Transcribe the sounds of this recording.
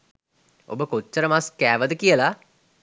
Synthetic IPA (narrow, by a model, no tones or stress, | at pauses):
o̰bəkot͡ʃːəɾəmaskæːʋəd̪əkijəla